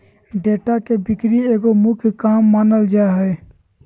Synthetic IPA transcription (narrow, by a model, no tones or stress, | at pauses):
ɖeːʈakebɪkɾieːɡomʊkʰjkaːmːaːnəld͡ʒaeɦɛe